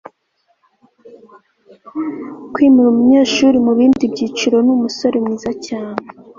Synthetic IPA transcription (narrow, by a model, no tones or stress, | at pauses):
kwiːmuɾumuɲe̞ːʃuɾimuβiːndibɟiːt͡ʃiɾo̞numuso̞ɾemŋiːzacaːne